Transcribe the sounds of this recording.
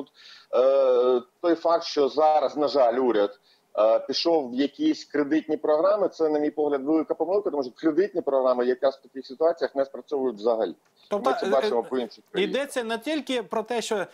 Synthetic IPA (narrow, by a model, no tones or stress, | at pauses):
ut̪ | t̪ɔjfɑk̚t̪ʃt͡ʃɔzɑɾɐznɐʒɑlʲuɾʲɐd̪ | pʲiʃɔwjɐkʲisʲkɾed̪ɪtʲnʲipɾɔɦɾɑmɪt̪sɛnɐmʲijpɔɦlʲɐd̪ʋelˠɪkɐpɔmɪlˠkɐt̪ɔmuʃt͡ʃɔkɾed̪ɪtʲnʲipɾɔɦɾɑmɐjɐkast̪ɐkʲɪxsʲɪt̪ʊɑt͡sʲijɐxnɛspɾɐsʲɔʋʊjʊtʲʋzɐɦɐlʲi | ɔmɪɛbɑt͡ʃɪmɔpɔinʃɪxkɾɐijd̪ɛt͡sʲːɐnɛt̪ʲilʲkɪpɾɔt̪ɛʃt͡ʃɔ